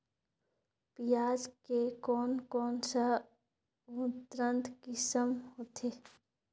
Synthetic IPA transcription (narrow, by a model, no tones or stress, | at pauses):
pijaːd͡ʒkekɔːnkɔːnsa | ʊt̪ɾə̃nt̪kɪsəmhoːt̪ʰeː